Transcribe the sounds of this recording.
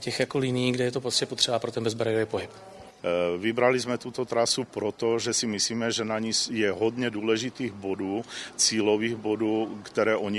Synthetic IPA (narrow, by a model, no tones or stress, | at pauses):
cɛxjakolɪniːɡdɛjɛt̪opɾoscɛpot̪r̝̥ɛbapɾot̪ɛnbɛzbɾajovɛpoɦɪp | vɪbɾalɪzmɛt̪ut̪o̞t̪ɾasupɾot̪oʒɛsɪmɪsliːmɛʒɛnaɲisjɛɦodɲɛduːlɛʒɪt̪iːɣbo̞duːt͡siːloviːɣbo̞duːkt̪ɛɾɛːʔo̞ɲɪ